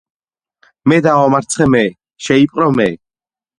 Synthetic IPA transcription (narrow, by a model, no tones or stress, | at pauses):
mɛd̪awamaɾt̪sʰχɛmɛ | ʃɛipʼqʼɾɔmɛ